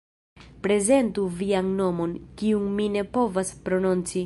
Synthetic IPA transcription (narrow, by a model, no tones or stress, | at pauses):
pɾe̞ze̞ntuvianno̞mo̞nkiuŋmine̞po̞vaspɾo̞nont͡si